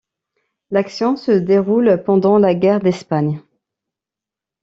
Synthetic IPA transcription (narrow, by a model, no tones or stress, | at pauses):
laksjɔ̃səd̪eʁulpɑ̃d̪ɑ̃laɡʲɛʁd̪ɛspaɲ